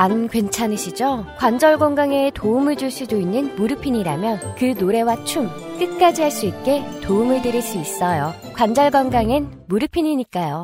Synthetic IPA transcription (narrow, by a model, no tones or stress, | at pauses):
anɡwe̞nt͡ɕʰanɯɕʰid͡ʑokwand͡ʑʌɭɡoŋɡaŋetoumɯɭd͡ʑuɭs͈udoinːɯnmuɾɯpʰiɲiɾamjʌnkɯnoɾe̞wat͡ɕʰumk͈ɯt̚k͈ad͡ʑiɦaɭs͈uit̚k͈e̞toumɯɭdɯɾɯɭs͈uis͈ʌjo | kwand͡ʑʌɭɡanɡaŋen | muɾɯpʰiɲiɲik͈ajo